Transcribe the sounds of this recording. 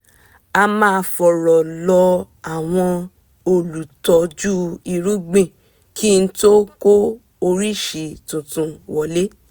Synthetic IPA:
a˧mãː˦˧fɔ˨ɾɔ˨lɔ˧ | a˨w̃ɔ̃˧ | o˧lu˨tɔ˧d͡ʒu˦i˧ɾu˦ɡ͡bĩ˦˨ | kʰi˦n̩˦to˦ko˦ | o˧ɾi˦˨ʃi˨tũ˨tũ˨wɔ˨le˦

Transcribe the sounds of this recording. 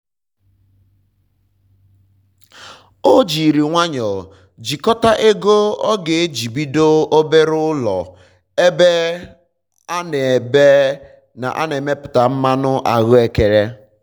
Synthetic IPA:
o˦d͡ʒi˨ɾi˨ŋʷa˦ɲɔ˨ | d͡ʒi˨kɔ˦ta˦ʔe˦ɡo˦ɔ˦ɡe˨e˦d͡ʒi˨bi˦do˦o˦be˦ɾʊ˦lɔ̰˨ | e˦be˦ | a˦ne˨be˦ | na̰˨ʔa˦ne˨me˦pʊ̥˨ta˨m̩˦ma˦nʊ˦ʔa˨ɣʊ˦e˨ke˨ɾe˦

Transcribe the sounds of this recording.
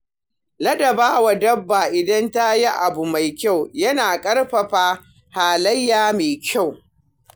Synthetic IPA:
lɐ˦dɐ˨baː˦wa˨dɐ˦bːaː˨ʔɪ˨dɐ˦nta˦ji˦ʔa˨bu˨ma˨jkʲa˦˨wjɐ˦naː˨kʼɐ˦ɽɸɐ˨ɸaː˦ | haː˨lɐ˦jːaː˨meː˨kʲʰa˦˨w

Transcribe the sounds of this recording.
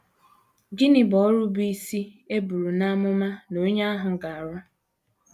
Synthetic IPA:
ɡɪ˦nɪ˨bɔ˨˦ɾu˦bi˦i˦si˦e˦bu˨ɾu˨na˦mʊ˦ma˦no˦ɲa˦a˦ɦʊ˨ɡa˨a˨ɾɔ˦

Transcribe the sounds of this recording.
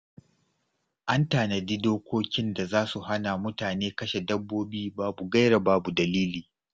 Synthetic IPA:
ʔa˦ntaː˨nɐ˨diː˦doː˦kʷoː˦kʲɪ˦nda˨zaː˦su˨ha˦na˨mʊ˦taː˨neː˦kɐ˦ʃe˨dɐ˦bːoː˦biː˦baː˦bu˨ɡɐ˦jɽa˨baː˦bu˨dɐ˨liː˦liː˨

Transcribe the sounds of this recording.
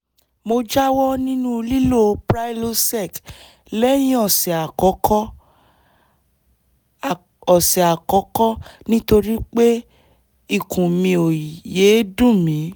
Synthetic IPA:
mo˧d͡ʒa˦wɔ˦nĩ˦nũ˦˧li˦lo˦˨pɾa˦i˦lo˦sɛ˦˨k | lɛ˦j̃ĩ˦ɔ˦˨sɛ˨a˨kɔ˨˦kɔ˦˨ | ɔ˨sɛ˨a˨kɔ˨˦kɔ˦nĩ˦to˧ɾi˦k͡pe˦ | i˦˨kũ˨mĩ˧o˨je˨˦dũ˦˨mĩ˨˦

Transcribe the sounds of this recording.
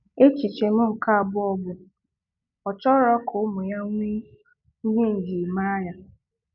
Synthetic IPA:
e˦t͡ʃi˨t͡ʃe˨m̩˦m̩˨ka˦a˨bʊ˦ɔ˦bʊ˨ | ɔ˨t͡ʃɔ˦ɾɔ˦kʰʊ˨ʊ˦mʊ˨ja˦ŋʷi˦ | ɲe˦n̩˨d͡ʒi˨ma˦ja˨

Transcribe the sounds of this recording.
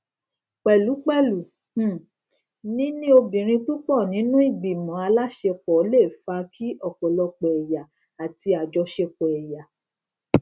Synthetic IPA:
k͡pɛ˨lu˨˦k͡pɛ˦˨lu˨ | h̩˦˨ | nĩ˦nĩ˦o˧bĩ˨ɾ̃ĩ˧tu˦k͡pɔ˦˨nĩ˨˦nũ˦i˦˨ɡ͡bi˨mɔ̃˨˦a˧la˦ʃe˧k͡pɔ˨˦le˦˨fa˧kʰi˦ɔ˦˨kɔ˨lɔ˧k͡pɛ˨ɛ˨ja˨ | a˨ti˧a˨d͡ʒɔ˧ʃe˧kɔ˨ɛ˨ja˨

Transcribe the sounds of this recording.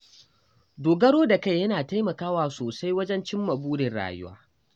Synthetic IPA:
doː˨ɡɐ˦ɽoː˦da˨ka˦jːɐ˦naː˨ta˦jmɐ˨kaː˦waː˨soː˨sa˦jwɐ˦d͡ʒɛ˦nt͡ʃɪ˦mːɐ˨buː˦dɪ˨nɽa̰ː˨jʊ˦wa̰ː˦

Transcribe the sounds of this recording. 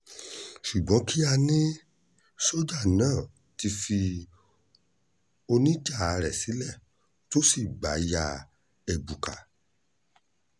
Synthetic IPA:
ʃu˨ɡ͡bɔ̃˨˦ki˦a˧nĩ˦ | so˦d͡ʒa˦˨nãː˦˨ | ti˧fi˧ | o˧nĩ˦d͡ʒa˦˨˧ɾɛ˨si˨˦lɛ˦˨ | to˦si˦˨ɡ͡ba̰˨˦ja˧ | e˨bu˨ka̰˨

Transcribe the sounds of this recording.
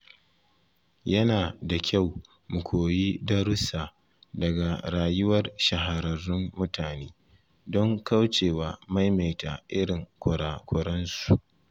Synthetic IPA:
jɐ˦naː˨da˨kʲa˦˨w | mʊ˨kʷʰoː˨jiː˦dɐ˦ɾʊ˦saː˨ | dɐ˨ɡa˨ɾaː˨jʊ˦wɐ˦rʃɐ˨ɦa˨ɾɐ˨rːʊ˦mːʊ˦taː˨neː˦ | dɔ˦ŋka˦wt͡ʃeː˨waː˨ma˦jma˨jta˨ʔɪ˦ɽɪ˨ŋkʷʰʊ˨ɾaː˨kʷʊ˨ɽɐ˦nsu˨ʔ

